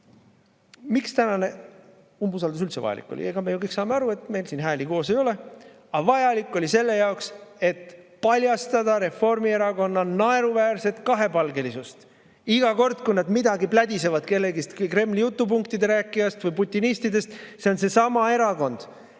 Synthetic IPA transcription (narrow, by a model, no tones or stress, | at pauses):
mikst̪ænɑne̞ | umbusɑld̪us̬ylt̪se̞vɑ̰jɑ̰lḭkːˑo̰lḭeɡ̥ɑme̞jukɤjksɑːmeɑɾue̞t̪me̞jlsiːnɦæːliko̞ːse̞jo̞le̞ | ɑvɑjɑlikːˑo̞lʲise̞lːe̞jɑokse̞t̪pɑlʲjɑst̪ɑd̪̥ɑɾe̞fo̞rmie̞ɾɑɡo̞nːɑnɑe̞ɾuvæːrse̞t̪kɑɦe̞pɑlɡe̞lisust̪ | iɡ̥ɑko̞rd̪̥kujnɑd̪mid̪ɑɡiplæd̪ʲise̞vɑd̪̚ke̞lːe̞ɡist̪kɯkre̞mːlijut̪ːˑupuŋkt̪id̪e̞ɾæːkːˑijɑst̪vɯjput̪ʲːˑinist̪id̪e̞st̪seo̞nse̞sɑmɑe̞ɾɑko̞nd̪̥